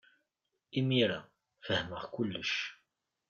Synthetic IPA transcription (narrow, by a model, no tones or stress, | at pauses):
imiɾa | fəhməʁkʊlːəʃ